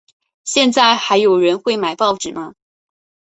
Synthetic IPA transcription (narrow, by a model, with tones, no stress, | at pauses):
ɕjɛ˥˧nt͡sa˥˩ɪxa˧˥ɪjo˨˩ʊɻə˧˥nxwe˥˩ɪma˨˩ɪpɑ˥˩ʊʈ͡ʂɻ̩˨˩mɐ˦